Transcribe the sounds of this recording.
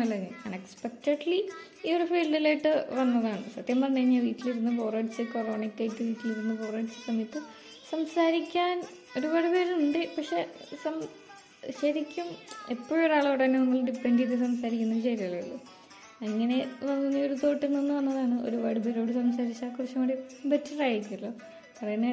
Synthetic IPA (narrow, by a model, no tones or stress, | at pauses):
ɐlːɐŋːɐka̰ːnekspek̚tɐʈli | ioɾufiːlɖilejʈːɨʋɐnːɐðaːɳɨsɐt̪ːjɐmːɐrɐnːɐŋːɐʋiːtːiliɾunːɨpo̞ːraːɖit͡ɕːɨkoroːɳikːɐːjikːɨʋiːtːiliɾunːupo̞ːraːɖt͡ɕːɨ̥sɐmit̪ːɨ | sɐmsaːɾikʲːaːn | o̞ɾuʋɐɽubeɾuɳɖɨpɐkʂe̞sɐm | ɕɐɾikʲːumepːoːjoɾaːɭɐɽɐɐnːenɐmːɐɭɖipːeɳɖiðɨs̬ɐmsaːɾikʲːunːɐðɕɐjɾɐlelːo | ɐŋːɐne̞ʋɐnːunːɐoɾut̪o̞ːʈːilninːɨʋɐnːɐðaːɳɨo̞̰ɾuʋɐɽubeɾo̞ːɽusɐmsaːɾit͡ɕːaːkːurɐt͡ɕːɐmoːɽibetːɐraːjiɾikʲːulːo | pɐrɐjɐnːe